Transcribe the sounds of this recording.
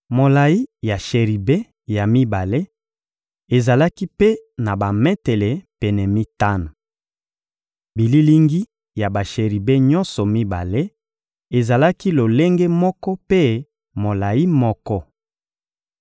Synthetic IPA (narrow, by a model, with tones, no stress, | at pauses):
mo˨la˨i˦ja˨ʃe˨ʁi˨be˦ | ja˨mi˦ba˨le˦ | e˨za˨la˦ki˦pe˦na˨ba˨mɛ˦tɛ˨lɛ˨pɛ˨nɛ˨mi˦ta˦no˨ | bi˨li˦li˦ŋɡi˦ | ja˨ba˨ʃe˨ʁi˨be˦ɲɔ̃˦nsɔ˨mi˦ba̰˨le˦ | e˨za˨la˦ki˦lo˨le˦ŋɡe˦mɔ˦kɔ˦pe˦ | mo˨la˨i˦mɔ˦kɔ˦